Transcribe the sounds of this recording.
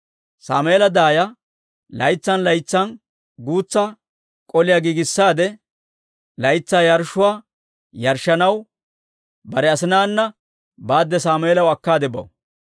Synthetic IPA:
sa̰ːmeːlɐd̪aːjɐ | lɐjt͡sːɐnlɐjt͡sːɐn | ɡuːt͡sːɐ | kʼɔlɪjaɡiːɡɪsːaːd̪ɛ | lɐjt͡sːaːjɐɾʃʊwaː | jɐɾʃːɐnɐw | bɐɾɛɐsɪnaːnːɐ | baːd̪ːɛsaːmeːlɐwɐkːaːd̪ɛbɐ̰w

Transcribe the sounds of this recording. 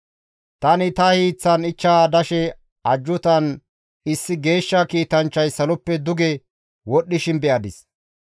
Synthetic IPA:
t̪ɐnɪt̪ɐhiːt͡sːɐnɪt͡ʃːaːd̪ɐʃɛ | ɐd͡ʒːʊt̪ɐn | ɪsːɪɡe̞ːʃːɐkiːt̪ɐnt͡ʃːɐjsɐlɔpːɛd̪ʊɡɛ | wɔɗːɪʃɪnbɛʔɐd̪ɪs

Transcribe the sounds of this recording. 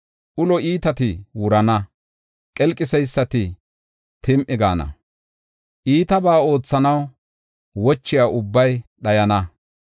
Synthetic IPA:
ʔʊlɔiːt̪ɐt̪ɪwʊɾɐnɐ | kʼɛlkʼːɪsɛjsːɐt̪ɪ | t̪ɪmʔɪɡa̰ːnɐ̰ | ʔiːt̪ɐbaːo̞ːt͡sːɐnɐw | wɔt͡ʃːɪjaːʔʊbːɐjɗɐjɐnɐ

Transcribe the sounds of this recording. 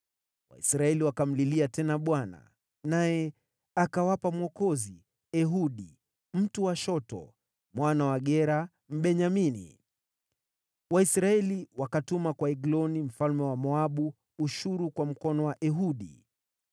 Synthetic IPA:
wa̰isɾaɛliwakam̩liliatɛnaɓwana̰ | najɛ | akawapamwɔkɔzi | ɛɦuɗi | m̩tuwaʃɔtɔ̰ | mwanawaɠɛɾa | m̩ɓɛɲaminḭ | waisɾaɛliwakatumakwaɛɡlɔnim̩falmɛwamɔaɓuː | ʃuɾukwam̩kɔnɔwaʔɛɦuɗḭ

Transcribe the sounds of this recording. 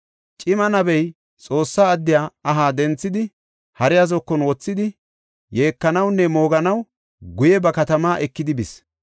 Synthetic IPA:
t͡ʃʼɪmɐnɐbɛj | t͡sʼo̞ːsːaːd̪ːɪjaːɐɦaːd̪ɛnt͡sːɪd̪ɪ | hɐɾɪjazɔkːɔnwɔt͡sːɪd̪ɪ | je̞ːkːɐnɐwnːɛmo̞ːɡɐnɐw | ɡʊjɛbɐkɐt̪ɐmaːʔɛkːɪd̪ɪbɪs

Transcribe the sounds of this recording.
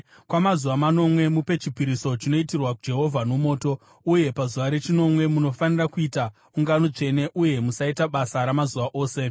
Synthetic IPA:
kwamazuʋamano̞mwe̞mupe̞t͡ʃipiɾiso̞t͡ʃino̞itirwakud͡ʒe̞ɦo̞vʱanomo̞ːto̞ | uje̞pazuʋaɾe̞t͡ʃino̞mwe̞muno̞fanirakuita | uŋɡanot͡ʂe̞ne̞ʔuje̞musaitaɓasaɾamazuʋaʔo̞ːse̞

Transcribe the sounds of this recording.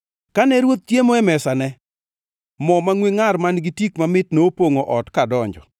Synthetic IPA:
kanɛɾwot̪̚tjemoɛmɛsanɛ | mɔmaŋwiŋarmanɡitikmamɪtnoopoŋoʔɔtkadɔɲd͡ʒɔ

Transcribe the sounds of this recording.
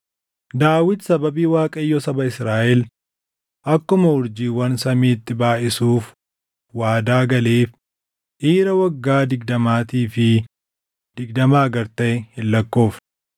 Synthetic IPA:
d̪aːwɪt̪sɐbɐbiːwaːkʼɐɪjːɔsɐbɐɪsɾaːʔɛl | ʔɐkːʊmɐʊɾd͡ʒiːwɐnsɐmiːt̪ːɪbaːʔɪsuːf | waːd̪aːɡɐleːf | ʔiːɾɐwɐɡːaːd̪ɪɡd̪ɐmaːt̪iːfɪ | d̪̥ɪɡd̪ɐmaːɐɡɐɾt̪ɐʔɛhɪlːɐkːo̞ːf

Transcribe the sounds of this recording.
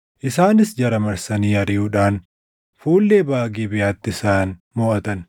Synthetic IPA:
ʔɪsaːnɪsd͡ʒɐɾɐmɐɾsɐniːɐɾɪjuːᶑaːn | fuːlːeːbaːɡiːbɪjaːt̪ːɪɪsaːn | mɔːʔɐt̪ɐn

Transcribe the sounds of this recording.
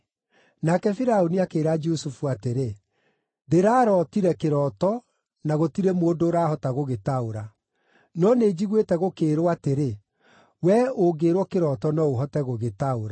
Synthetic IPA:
nakɛfiɾaoniakeːɾad͡ʒusufuateɾe | deɾaːɾɔtiɾɛkeɾɔtɔ | naɣotiɾɛmːdoːɾaːhɔtaɣoɣetaoɾa | nɔneːd͡ʑiɣwetɛɣokeːɾoateɾe | wɛoɡeːɾwɔkeɾɔtɔnɔoɦɔtɛɣoɣetaoɾa

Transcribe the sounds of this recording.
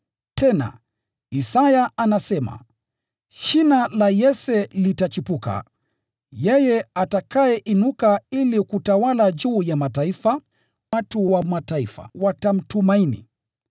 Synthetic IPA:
tʰɛna̰ | isajaʔanasɛma̰ | ʃinalajɛsɛlitat͡ʃipuka̰ | jɛjɛatakaɛʔinukailikutawalaʄuːjamataifa | watuwamataifa̰watam̩tumainḭ

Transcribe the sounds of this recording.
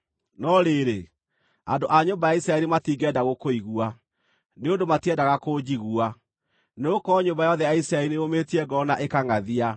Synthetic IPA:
nɔɾeɾe | a̰ndoʔaɲombajaisɾaɛɾimatiːɡɛdaɣokoiɣua | neondomatiɛdaɣakod͡ʑiɣua | neokɔɲombajɔðɛjaisɾaɛlineometiɛɡɔnaʔekaŋaðia

